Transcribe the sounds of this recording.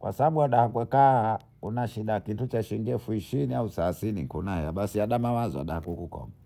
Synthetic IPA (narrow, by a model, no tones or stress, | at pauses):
kwa̰saɓaɓuaɗahakwɛka | unaʃiɗakitut͡ʃaʃiŋɡɛfuiʃiniausasiniŋkunahɛjaɓasiaɗamawazɔa̰ɗahakukukɔ̰ma